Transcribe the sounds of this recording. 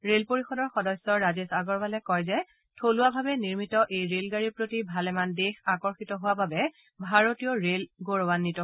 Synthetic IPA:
ɹelpoɹixɔdɔɹxɔdɔsɔɹazesaɡɔɹbalɛkɔjzɛ | tʰolʊwabʱabɛniɹmitɔʔejɹelɡaɹiɹpɹotibʱalɛmandexakɔɹxitɔɦʊwababɛ | bʱaɹotijɔɹelɡoɹɔwanːitɔ

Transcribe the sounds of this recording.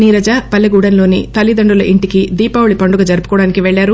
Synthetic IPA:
niːɾɐd͡ʒaːpɐlːɐɡuːɽɐnlo̞ːnḭt̪ɐlid̪ɐɳɖulɐʔiɳʈikid̪iːpaːwɭipɐɳɖuɡɐd͡ʒɐɾupu̥kɔːɽaːnikiʋɛɭːaːɾu

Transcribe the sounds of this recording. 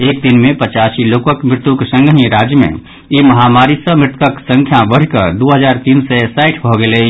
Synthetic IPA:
eːk̚d̪ɪnmẽpət͡ʃaːsiloːkokmɾɪt̪uksə̃ŋɡəɦĩɾaːd͡ʒjəmḛ̃ | jimɐɦaːmaːɾisəmɾɪt̪ʰkəksə̃ŋkʰjãbəɽkəɾd̪oːɦəzaːɾt̪iːnsesaɪʈʰbʱoɡele

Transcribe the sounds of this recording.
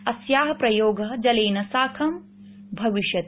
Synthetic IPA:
ɐsjaːɦɐpɾɐjoːɡɐɦd͡ʒɐleːnɐsaːkʰɐm | bʱɐʋiʃjɐt̪

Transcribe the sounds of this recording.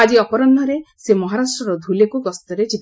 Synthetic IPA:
ad͡ʒiɔpɔɾɔnd̪ʱɔɾesemɔɦaɾasʈɾɔɾɔd̪ʱulekuɡɔst̪ɔɾed͡ʒit̪

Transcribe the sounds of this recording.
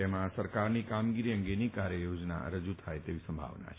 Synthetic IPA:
emãsəɾkaɾnikamɡiɾiə̃ŋɡenikaɾjəjod͡ʒna̰ɾəd͡ʒut̪ʰajt̪eʋisə̃mbʱa̰ʋna̰t͡ʃʰ

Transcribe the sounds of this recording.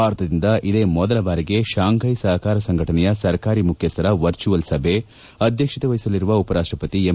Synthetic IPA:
aːɾɐt̪ʰɐd̪ind̪ɐʔid̪e̞ːmɔd̪ɐlɐbaːɾiɡe̞ʃaːŋkɐjsɐɦɐkaːɾɐsɐŋɡʱɐʈɐnɛjɐsɐɾkaːɾimukʰjɐst̪ɐɾɐʋɐɾt͡ʃuʋɐlsɐbʱe | ɐd̪ʱjɐkʂit̪ɐʋɐɦjsɐliɾuʋɐupɐɾaːʂʈɾɐpɐt̪ie

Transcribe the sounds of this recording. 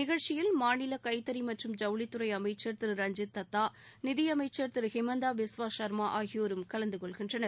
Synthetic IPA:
nɪɣɐɻt͡ʃɪjɪlmaːnɪlɐkɐɪt̪ːɐɾimɐʈrɯmd͡ʒɐʋɭɪt̪ːɯɾɐɪɐmɐɪt͡ʃːɐɾt̪ɯɾɾɐɲd͡ʒɪt̪ːɐt̪ːaːnɪðɪjɐmɐɪt͡ʃːɐɾt̪ɯɾɣɪmɐnd̪aːʋɪsʋaːʃɐɾmaːʔaːɣɪjoːɾɯmkɐlɐnd̪ɯkɔɭɣɪndrɐnɐɾ

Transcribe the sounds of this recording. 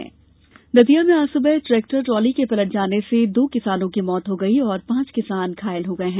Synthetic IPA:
ɛ̰̃ː | d̪ɐd̪ijamẽaːsʊbɛɦʈɾɛːk̚ʈəɾʈɾɔːlikepɐləʈ̚d͡ʒaːnesed̪oːkɪsaːnõkimɔːt̪ɦoɡɐiɔːɾpãːt͡ʃkɪsaːnkʰaːɪlɦoɡɐeɦɛ̃ː

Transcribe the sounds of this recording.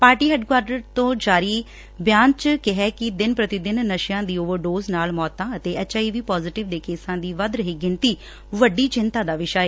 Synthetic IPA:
paːɾʈiːɦɛːɖkwaːɾɖəɾt̪õːd͡ʒaːɾiː | bjaːnt͡ʃkɪɦɛːkɪd̪ɪnpɾət̪iːd̪ɪnnəʃɪjãːd̪iːoːʋəɾɖoːznaːlmɔːt̪ːãːət̪eːɛːt͡ʃaːiːʋiːpɔːzɪʈɪʋd̪eːkeːsãːd̪iːʋəd̪ɾəɦiːɡɪnt̪iː | ʋəɖːiːt͡ʃɪnt̪aːd̪aːʋɪʃaːeː

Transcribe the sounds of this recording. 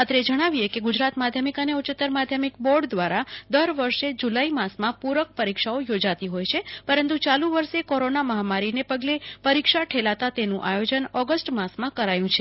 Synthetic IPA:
at̪ɾed͡ʒəɽ̃aʋiekeɡʊd͡ʒɾat̪mad̪ʱjəmikəneut͡ʃɪt̪ːəɾmad̪ʱjəmik̚bɔɾɖd̪ʋaɾad̪əɾʋəɾʃed͡ʒulaimãsmãpuɾək̚pəɾikʃaojod͡ʒat̪iɦojt͡ʃʰepəɾənt̪ut͡ʃalũʋəɾʃekoɾonaməɦamaɾinepəɡlepəɾikʃaʈʰelat̪at̪enũʔajod͡ʒənɔɡəsʈmãsmãkəɾajũt͡ʃʰe

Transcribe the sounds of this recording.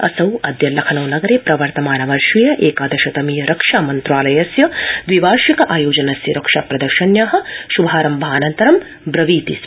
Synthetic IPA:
ɐ̰sɐwɐd̪jɐlɐkʰɐnɐwnɐɡɐɾeːpɾɐʋɐɾt̪ɐmaːnɐʋɐɾʃijɐʔeːkaːd̪ɐʃɐt̪ɐmiːjɐɾɐkʂaːmɐnt̪ɾaːlɐjɐsjɐd̪ʋiʋaːɾʃikɐʔaːjoːd͡ʒɐnɐsjɐɾɐkʂaːpɾɐd̪ɐɾʃɐnjɐɦɐ̆ʃubʱaːɾɐmbɐaːnɐnt̪ɐɾɐm | bɾɐʋiːt̪is

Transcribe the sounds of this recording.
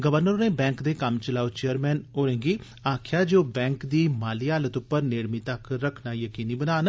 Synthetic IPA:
ɡəʋəɾnəɾneːbɛ̃ːŋkd̪eːkəmt͡ʃəlaːot͡ʃeːəɾmɛːnoːɾẽŋɡiː | aːkʰjaːd͡ʒoːbɛ̃ːŋkd̪iːmaːliːaːlət̪ʊpːəɾneːɽmiːt̪əkɾəkʰnaːjəkiːniːbənaːn

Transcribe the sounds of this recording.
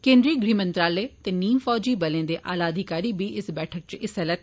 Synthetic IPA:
kẽːnd̪ɾiɡɾiːmə̃nt̪ɾaːlet̪eniːmfɔːd͡ʒibɐlẽːd̪eːʔa̰ːlaəd̪ʱɪkaːɾibʱiʔɪsbɛːʈʰək̚t͡ʃɪsɛlət̪

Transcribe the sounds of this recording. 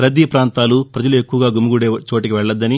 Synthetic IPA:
ɾɐd̪ipɾaːnt̪aːlupɾɐd͡ʒɐlue̞kːuʋɐɡaːɡumuɡuɽeːt͡ʃo̞ːʈikiʋɛɭːɐd̪ːɐni

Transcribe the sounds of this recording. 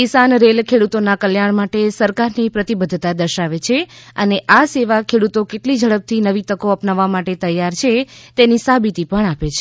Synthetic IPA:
kisanɾelkʰeɽut̪onakəljaɳ̃maʈesəɾkaɾnipɾət̪ibəd̪ʱt̪ad̪əɾʃaʋet͡ʃʰeəneʔaseʋakʰeɽut̪okeʈlid͡ʒʱəɭəp̚t̪ʰinəʋit̪əkoəpnaʋːamaʈet̪əjːaɾt͡ʃʰet̪enisabit̪ipəɳapet͡ʃʰe

